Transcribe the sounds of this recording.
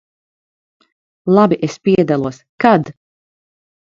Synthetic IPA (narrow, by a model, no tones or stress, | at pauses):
lˠabiʔespiɛd̪alˠuɔskad̪